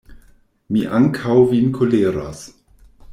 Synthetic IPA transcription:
miʔaŋkʰawvinkʰoleːɾa̰s

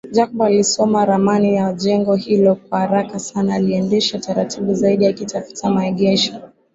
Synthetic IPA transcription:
ʄakɓalisɔmaɾamanijaʄɛŋɡɔhilɔkwahaɾakasanaːliɛndɛʃataɾatʰiɓuzaiɗijakitafu̥tamaɛɠɛʃɔ

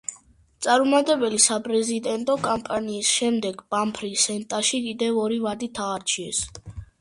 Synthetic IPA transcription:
t̪sʼaɾmɔmat̪ʼɛbɛlisapʼɾɛzid̪ɛnt̪ʼɔkʼampʼaniːsʃɛmd̪ɛɡb̥ampʰɾisɛnt̪ʼaʃikʼid̪ɛvɔɾivad̪it̪ʰaːɾt͡ʃʰiɛs

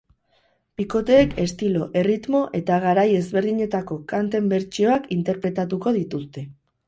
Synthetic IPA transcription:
piko̞t̪eːke̞st̪ilo̞ʔe̞rit̪mo̞ʔe̞t̪aɣ̞aɾaje̞zβe̞ɾðiɲe̞t̪ako̞kant̪e̞mbe̞ɾt͡ʃio̞akint̪e̞ɾpɾe̞t̪at̪uko̞ðit̪ust̪e̞

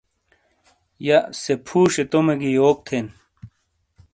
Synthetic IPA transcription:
jasepʰuːɕet̪omeɡijoːk̚t̪ʰen

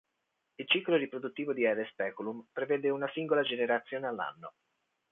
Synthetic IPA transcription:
ilt͡ʃikloɾipɾod̪ut̪ːiːvod̪iɛɾespɛːkulumpɾeveːd̪eunasiŋɡolad͡ʒeneɾat̪sːjoːnealːa̰nːo̰

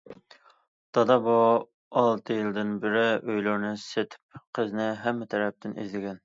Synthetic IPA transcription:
t̪ʰɑd̪ɑbo | ɑlˠt̪ʰɨjild̪ɪnbɪɾɪʔøjlɨɾnɨset̪ʰɪ̥p̚qʰəznɪɦɛmːɪt̪ʰɛɾɛp̚t̪ʰɪnḭzlɪɡʲɛn

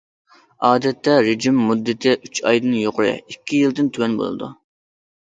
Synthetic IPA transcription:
ɑːd̪ɛt̪ːɛɾed͡ʒimːud̪ːɪt̪ʰɪʔyt͡ʃɑjd̪ɨnjoqʊɾɪ̰ikʲʰːijilˠd̪ɪnt̪ʰywɛnbo̰lˠɨ̰d̪ṵ

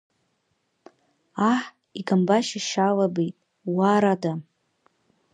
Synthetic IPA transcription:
aħ | iɡambaʃaʃalabejtʼ | waɾada

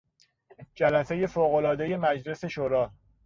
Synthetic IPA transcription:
d͡ʒælæse̞je̞foːɣo̞lɒːd̪e̞je̞mæd͡ʒle̞se̞ʃoɾɒː

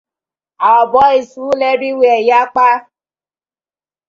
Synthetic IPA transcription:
aɔbɔisulɛɾiweɛjak͡pa

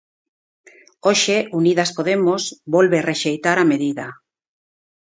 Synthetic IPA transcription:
oʃeuniðaspoðemosβolβereʃejt̪aɾameðiða

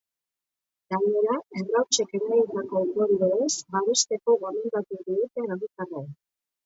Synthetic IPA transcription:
d̪̥awoɾaeβrawt͡ʃe̞ke̞ɾajit̪ako̞ut̪oɾiβeɾesbaβe̞st̪e̞ko̞ɣomend̪at̪ud̪iɣut̪eanait͡s̪ara

